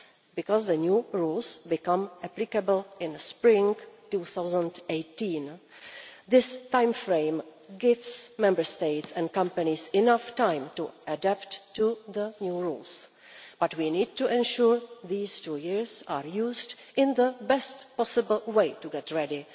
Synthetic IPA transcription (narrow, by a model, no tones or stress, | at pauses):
bɪkɔzðənjuɹulsbɪkʌ̃mʔæplɪkəbəl̩ɪ̃nspɹɪ̃ŋtuːθawzə̃ndeɪtĩːn | ðɪstãjmfɹẽɪmɡɪvsmɛ̃mbə˞steɪtsɛ̃nkʌ̃mpanisɪnaftãɪ̃mtuʔədæptːuðənjuːɹuls | b̥atwiniːd̚tuʔɛ̃nʃuɹðiːstuːjɪɹzaːɹjuːzd | ɪ̃nðəbɛstpɔsɪbəl̩ˠweɪtuɡɛtɹɛdɪ